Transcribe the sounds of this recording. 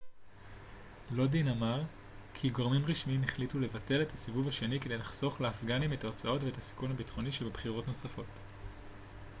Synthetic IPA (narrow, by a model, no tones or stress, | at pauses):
lo̞dinamaʁ | kʰiɡoʁmimʁiʃmiimeχlitule̞vate̞le̞tasivuvaʃe̞nikede̞jlaχso̞χleːfɡanime̞taot͡sao̞tveetasi̥kunhabitχo̞niʃebebχiʁo̞tno̞safo̞t